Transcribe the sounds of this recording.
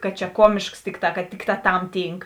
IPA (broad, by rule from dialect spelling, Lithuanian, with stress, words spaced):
kɐt t͡ʃʲɛ ˈkuɔmʲeːʃks ˈtʲɪkˌtɑː kɐt ˈtʲɪkˌtɑː tɐm ˈtʲiːŋk